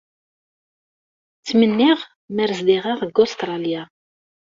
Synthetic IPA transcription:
t͡sːmənːɪʁ | mæɾzd̪iʁiʁəɡost̪ɾˤɑlja

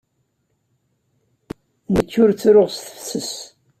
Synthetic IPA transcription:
nəkːʊɾt͡sːɾʊʁst̪ə̥fsəs

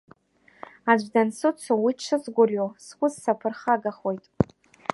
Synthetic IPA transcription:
ad͡ʒʷdansʊt͡sʷʰowiʈ͡ʂʰɨzɡʷʊrjoskʷʼʊzsapʰɨrχaɡaχo̞jtʼ

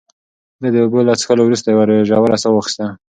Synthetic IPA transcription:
d̪ad̪əɡolasxalowɾust̪ajwaɾʒɑwaɾasawaxi̥st̪a

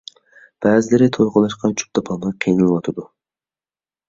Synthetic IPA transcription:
b̥æːzɪlɪɾɪt̪ʰolqʊlˠɑʃqɑt͡ʃʰu̥p̚d̪ɑpʰɑːnɨqʰejnɨlˠɨwɑt̪ʰɨd̪u

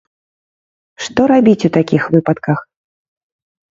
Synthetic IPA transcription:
ʂt̪ɔɾabʲit͡sʲut̪akʲixvɨpɐt̪kɐx

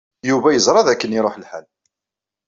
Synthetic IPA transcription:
juvæjəzɾˤɑðækːəniɾˤoħəlħæl

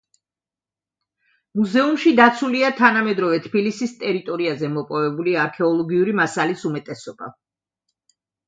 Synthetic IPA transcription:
muzɛumʃid̪at̪sʰuliat̪ʰanamɛd̪ɾɔvɛt̪ʰbilisist̪ʼɛɾit̪ʼɔɾiazɛmɔpʼɔvɛbuliaɾkʰɛɔlˠɔɡiuɾimasalisumɛt̪ʼɛsɔb̥a̰

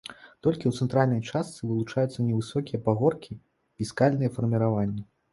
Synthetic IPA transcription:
t̪ɔlʲkʲiwt̪sɛnt̪ɾalʲnɐjt͡ʂast̪sɨvɨlˠut͡ʂajut̪sːɐnʲɛvɨsɔkʲijɐpaɣɔrkʲi | fʲiskalʲnɨjɛfɐrmʲiɾavanʲːɐ

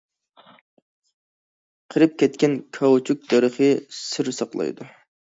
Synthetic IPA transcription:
qʰəɾɨp̚kʲʰɛt̪kʲɛnkʰɑwt͡ʃʰuk̚ʲd̪ɛɾəχɨsɨɾsɑqlˠɑ̰jd̪u

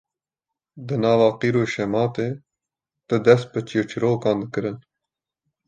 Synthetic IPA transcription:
d̪ənɑːwɑːqiɾoʃemɑːt̪e | t̪əd̪ɐspət͡ɕiːʈ͡ʂʰiɾoːkɑ̃ːnd̪əkəɾən

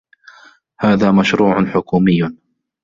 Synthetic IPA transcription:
haːðaːmaʃɾuːʕʊnħʊkuːmɪjːʊ

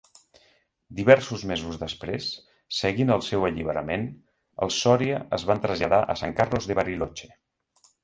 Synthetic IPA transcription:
d̪iβɛɾsuzmezuzðəspɾesː | əɣinəlˠsɛwəʎiβ̞əɾəmen | ə̰lˠsɔɾiəəzβant̪ɾəzʎəðaʔəsa̰ŋkarlozðəβəɾilot͡ʃe̥

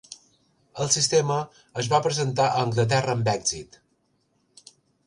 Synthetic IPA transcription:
əlˠsist̪eməː | zβapɾəzənt̪̬aʔəːŋɡlət̪̬ɛrəːmbɛɡzit̪

